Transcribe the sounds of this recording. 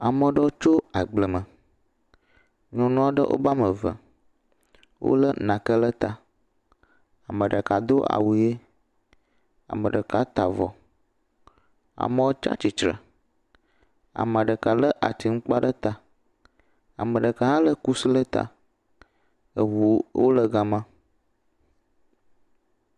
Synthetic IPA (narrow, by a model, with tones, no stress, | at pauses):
a˨mə˨ɖə˦wo˦t͡ʃo˦a˨ɡ͡blə˨mə̃˨ | ɲɔ̃˨nũ˦a˦ɖə̰˦ʔo̰˦ba˦mə˨və̰˨ | wʔo̰˦lə˦nã˨kə˦lə˦t̪a˨ | a˨mə̃˨ɖə˨ka˨d̪o˦ʔa̰˨wu˨je˦ | a̰˨mə̰̃˨ɖə˨ka˦t̪a˨vɔ̰˨ | a̰˨mə̃˦wo˦t͡ʃa̰˦t͡ɕi˨t͡ʃɾə̰˨ | a̰˨mə˨ɖə˨ka˨lə˦ʔa˨t̪i˨ŋ̩˦k͡pa˦ɖə˦t̪a˨ | a˨mə̃˨ɖə˨ka˨ɦã˦lə˦ku˦si˦lə˦t̪a̰˨ | ə˨wu˨wo̰˦lə˦ɡa˨mã˦